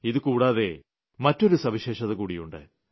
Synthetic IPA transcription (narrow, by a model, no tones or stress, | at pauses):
iðɨkuːɽaːðe̞̰ | mɐtːo̞ɾusɐʋiɕe̞ːʂɐðɐkuːɽijuɳɖɨ̰